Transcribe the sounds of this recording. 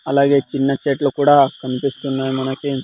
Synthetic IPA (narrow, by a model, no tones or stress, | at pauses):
ɐlaːɡe̞ːt͡ʃinːɐt͡ʃeːʈlokuːɽaːkɐnipist̪unːaːjumɐnɐki